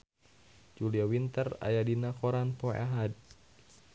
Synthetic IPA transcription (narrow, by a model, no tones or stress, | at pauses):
d͡ʒuliawint̪əra̰jadinakɔɾanpɔa̰ɦad̪̚